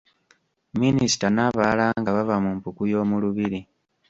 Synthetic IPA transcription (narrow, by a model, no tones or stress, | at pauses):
minisi̥tanaβalaːŋɡaβavamumpukujo̞ːmuluβiɾi